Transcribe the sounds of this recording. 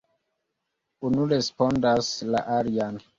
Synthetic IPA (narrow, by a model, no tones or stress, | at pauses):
unuɾespondasla̰ʔaɾian